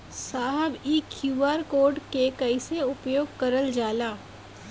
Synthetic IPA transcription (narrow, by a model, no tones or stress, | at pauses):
saːɦəbiːkʰjuːaːɾkoːɾɖkekɐɪseʊpjoːɡ̚kɐɾəld͡ʒaːlaː